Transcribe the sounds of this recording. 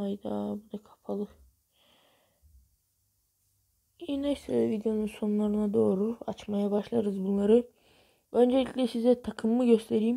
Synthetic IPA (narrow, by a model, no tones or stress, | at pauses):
ajd̪a̰bud̪akʰḁpʰalˠɯ | inaselʲvid̪ejo̞nunso̞nunlˠaɾɯnad̪o̞ːɾua̰t͡ʃmajabaʃlˠaɾɯzbunlˠaɾɯ | ø̞nd͡ʒe̞lʲicʲlʲɛsizɛt̪ʰakʰɯmːɯɟø̞st̪ʰe̞ɾiːm